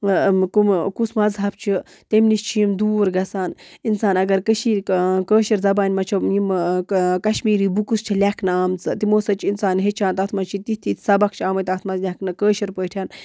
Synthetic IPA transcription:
kumkusmɐzɦɐp̚t͡ʃʰi | t̪emnist͡ʃʰijimd̪uːɾɡɐsaːninsaːnɐɡɐɾkəʃiːkəːʃɐɾzɐbaːnʲmɐt͡ʃʰojimkɐʃmiːɾiːbukust͡ʃʰilʲɐkʰnɨaːmt͡sɨt̪imoːsɐt͡ʃʰinsaːnɦet͡ʃʰãːnt̪ɐt̪ʰmɐt͡ʃʰit̪it̪ʰit̪ʰʲsɐbɐk̚ʰt͡ʃʰaːmət̪ɐt̪ʰmɐzlʲaknɨkəːʃɐɾpəːʈʰʲaːn

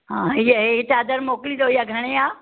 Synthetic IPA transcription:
ɦãɦijɦet͡ɕaːd̪əɾmokliːd̪ojaɡʱɐɽ̃ẽja

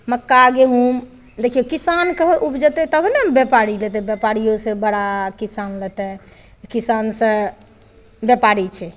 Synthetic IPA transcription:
məkːaɡeɦum | d̪ekʰijokisankəɦʔubd͡ʒət̪ɛt̪əbʱnembepaɾilet̪ɛbjepaɾijosẽbəɽakisanlɛt̪ɛ | kisansə̃ | bjepaɾit͡ʃʰɛ

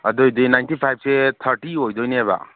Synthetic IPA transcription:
ad̪ojd̪ojnajnʈipʰajb̚set̪ʰəɾʈiɦojd̪ojneba̰

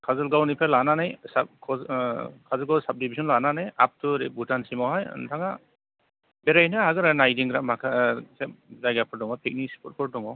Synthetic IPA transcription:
kʰazɔlɡawnipʰalananajsap̚kʰɔzkʰazɔlɡɔsap̚dibizɔnlananajap̚tʰuɾibutansimawɦaj̰ntʰaŋa | beɾajnahaɡɯɾanajdiŋɡɾamakʰasezajɡapʰɔɾdɔŋɔpʰik̚nispʰɔt̚pʰɔɾdɔŋɔ

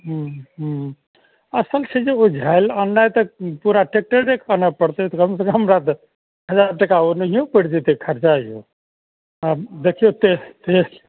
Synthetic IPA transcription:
ɦuɦ | əsəlt͡ʃʰed͡ʒeod͡ʒʱajlənːajt̪əpuɾaʈek̚ʈəɖekanapəɽt̪ət̪ɔkəmes̬ə̃kɦəmɾat̪ | ɦəd͡ʒaɾt̪ekaonəɦijõpəɽd͡ʒ̪et̪ekʰəɾt͡ʃaijo̰ | ad̪ekʰijot̪et̪e

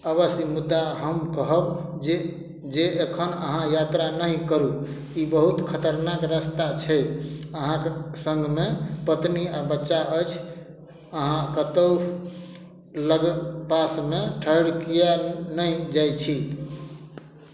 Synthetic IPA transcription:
əβəsimud̪ːaɦəmkəɦəbd͡ʒe | d͡ʒeekʰənə̰ɦãjat̪ɾanəɦikəɾu | ibəɦut̪kʰət̪əɾnakɾəst̪at͡ʃʰɛəɦãksə̃ŋɡmepət̪niabətːʃaʔət͡ʃʰ | əɦãkət̪əw | ləɡpasmeʈʰəɽkijanəid͡ʒajt͡ʃʰi

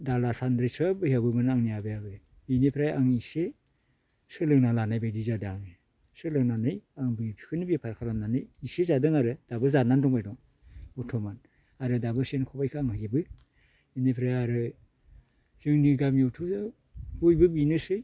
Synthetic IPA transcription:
dalasandɾisɯbɯjabɯmɯnaŋnijabɯjabɯ | binipʰɾajaŋise | sɯlɯŋnalanajbajdizadɯaŋ | sɯlɯŋnanɯjaŋbɯpʰi̥kʰɯnɯbijapʰaɾkʰalamnanɯjisezadɯŋaɾɯd̥abɯzanandɔŋbajdɔ | utʰɔman | aɾɯdabɯsenkʰɔbajkʰɯaŋhaɡebɯ | inepʰɾajaɾɯ | z̥ɯŋniɡamiotʰu | bujbɯbinɯsɯj

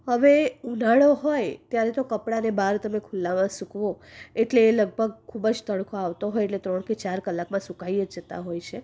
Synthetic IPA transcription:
ɦəʋeunaɭoɦojt̪jaɾet̪okəpɽanebaɾt̪əmekʰulːamãsukʋo | eʈleːləɡ̚bʱəɡ̚kʰːubd͡ʒt̪əɽkʰoaʋt̪oɦojeʈlet̪ɾəɳket͡ʃaɾkəlːakmãsukajəd͡ʒd͡ʒət̪a̰ɦojt͡ʃʰe

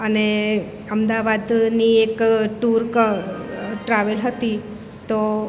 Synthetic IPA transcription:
əne | əmd̪aʋad̪niekʈuɾkə | ʈɾaʋəlɦət̪i | t̪o

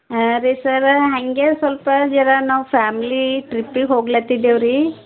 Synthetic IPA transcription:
ɾesɐɾɦɐŋɡesʋɐlpɐd͡ʒɛɾanaʋpʰaːmiliʈɾipːikɦoːɡlat̪id̪ewɾi

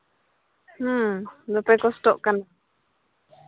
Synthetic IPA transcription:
h̩d̪opekost̪oʔkana

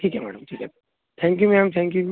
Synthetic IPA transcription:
ʈʰiːkɦɛmɛ̰ːɽəmʈʰiːkɛ | t̪ʰɛ̃ːŋk̬jumɛmt̪ʰɛ̃ŋkju

